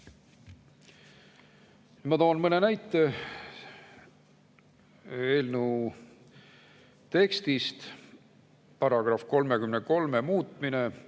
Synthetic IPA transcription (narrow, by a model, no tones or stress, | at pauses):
mɑt̪oːnmɤne̞næjt̪ˑːe̞ | eːlnu | t̪e̞kst̪ist̪ | pɑɾɑɡ̥rɑfko̞lme̞kymneko̞lme̞muːt̪ˑmine̞